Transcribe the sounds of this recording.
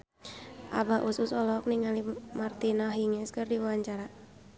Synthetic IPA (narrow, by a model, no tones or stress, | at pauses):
ʔa̰baʔususɔlɔk̚niŋalimart̪inaɦiŋɛskɨrdiwawaɲt͡ʃaɾa